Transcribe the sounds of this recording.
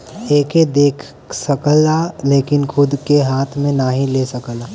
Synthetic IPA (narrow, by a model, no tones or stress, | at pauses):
eːked̪eːkʰ | səkəlaleːkɪnkʰʊd̪keɦaːt̪ʰmẽnaɦĩlesəkəlaː